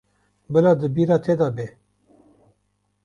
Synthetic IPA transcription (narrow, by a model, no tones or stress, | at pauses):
bəlad̪ɨbiɾat̪ʰeːd̪aːbe